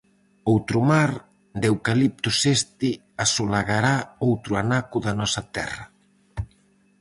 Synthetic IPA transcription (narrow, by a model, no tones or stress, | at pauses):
owt̪ɾʊmaɾ | d̪ewkalip̚t̪ʊsest̪ɪ | asolaɣaɾaowt̪ɾʊanakʊðɐnɔsɐt̪ɛ̰rɐ